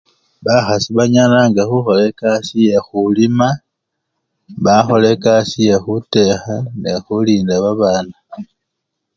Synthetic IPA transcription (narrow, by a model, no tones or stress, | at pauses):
βaxasiβaɲanaŋɡaxuxo̞le̞kasije̞xulima | βaxo̞le̞kasije̞xute̞xanexuliːndaβaβaːna